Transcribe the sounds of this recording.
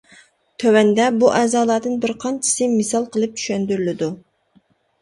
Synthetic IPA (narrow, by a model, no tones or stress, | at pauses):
t̪ʰøwɛnd̪ɛbuʔɛːzɑːlˠɑd̪ɨnbɪɾqʰɑnt͡ʃʰɪ̥sɨmɪsɑlˠqʰəlˠɨp̚t͡ʃʰy̥ʃɛnd̪yɾylɪd̪u